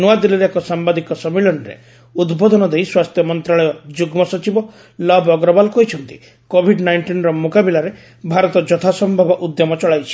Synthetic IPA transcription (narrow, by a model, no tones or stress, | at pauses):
nuad̪iliɾekɔsambad̪ikɔsɔmilɔnɾḛ | ud̪bɔd̪ɔnɔd̪ejswast̪ʰjɔmɔnt̪ɾaɭɔjɔd͡ʒuɡmɔsɔt͡ʃibɔ | lɔbɔɡɾɔbalkɔɦit͡ʃʰɔnt̪i̥ | kobʱiɖnajɳʈinɔɾɔmukabilaɾe | bʱaɾɔt̪ɔd͡ʒɔt̪ʰasɔmbʱabɔʔud̪jɔmɔt͡ʃɔɭajt͡ʃʰi̥